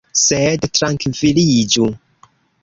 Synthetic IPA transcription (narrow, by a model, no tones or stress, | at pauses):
sɛdtɾaŋkvilid͡ʒu